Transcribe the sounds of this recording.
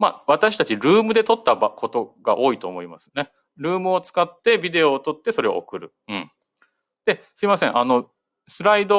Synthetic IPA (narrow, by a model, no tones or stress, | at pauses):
ma̰βat̪aɕi̥t̪at͡ɕiɾɯ̟ːmɯ̟d̪e̞t̪o̞t̪ːabakʰo̞t̪o̞ɡ̥a̰ʔo̞ːit̪o̞̰ːmo̞imasɨ̥ne̞ | ɾɯ̟ːmɯ̟o̞t͡sɨ̥kat̪ːe̞bʲid̪e̞o̞ːt̪o̞t̪ːe̞so̞ɾe̞o̰o̰kɯ̟ɾɯ̟ | ɯ̟̃ɴ | d̪̥e̞sɨimasẽ̞ʔano̞ | sɨɾaid̪o̞